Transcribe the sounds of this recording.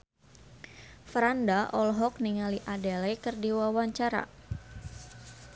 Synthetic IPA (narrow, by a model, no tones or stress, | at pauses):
fɾandaʔɔlɦɔk̚niŋaliʔadɛlɛkɨrdiwawaɲt͡ʃaɾa̰